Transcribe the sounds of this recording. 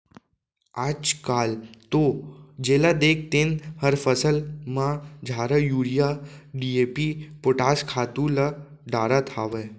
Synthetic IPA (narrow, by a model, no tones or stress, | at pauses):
aːd͡ʒkaːlt̪od͡ʒeːlad̪eːk̚ʰt̪enhəɾfəsəlmãd͡ʒʱaːɾəjuɾijaɖieːpipʊʈaːskʰaːt̪ũlə | ɖaːɾat̪ʰaːʋe